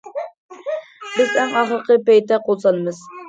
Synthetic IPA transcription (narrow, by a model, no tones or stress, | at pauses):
bɪzæŋɑχəɾəqəpɛjt̪ɛqʰolˠsɑnɨmɨz